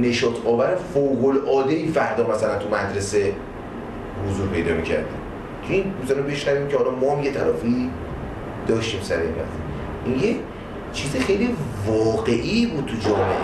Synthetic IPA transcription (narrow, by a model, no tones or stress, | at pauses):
ne̞ʃɒːt̪ʰɒːvæɾefowɣolɒːd̪eifæɾd̪ɒːmæsælænt̪ʰumæd̪ɾe̞se̞ | hozuːɾpʰe̞jd̪ɒːmiːcʰæ̰ɾd̪ḭm | inmizɒɾimbe̞ʃnæviːmcʰehɒlɒmɒːæmjet̪ʰælɒːfii | d̪̥ɒːʃt̪iːmsæɾḛmæ̰zḭ | ʔinjec | t͡ʃʰiːzexe̞jlivɒːɣe̞ʔibuːd̪̚t̪ʰud͡ʒɒːlḛ